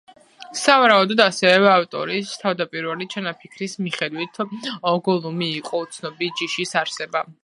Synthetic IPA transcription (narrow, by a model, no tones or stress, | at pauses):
savaɾaud̪ɔd̪asɛvɛaft̪ʼɔ̰ɾist̪ʰavd̪apʼiɾvalit͡ʃʰanapʰikʰɾismiχɛd̪wit̪ʰɔɡɔlˠumiːqʼɔut̪sʰnɔbid͡ʒiʃisaɾsɛba